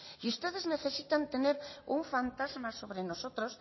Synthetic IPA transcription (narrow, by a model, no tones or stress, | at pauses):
iust̪eðezneθesit̪ant̪eneɾuŋfant̪azmasoβɾenosot̪ɾos